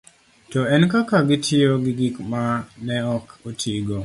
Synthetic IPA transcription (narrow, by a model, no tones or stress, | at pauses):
tɔɛnkakaɡɪtʰɪoɡɪɡikmanɛɔkotʰiɡo